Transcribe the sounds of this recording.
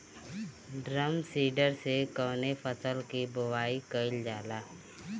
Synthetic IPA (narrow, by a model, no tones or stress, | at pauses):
ɖɾəmsiːɖəɾsekəːnefʰəsəlkibʊʋaːikəɪld͡ʒaːlaː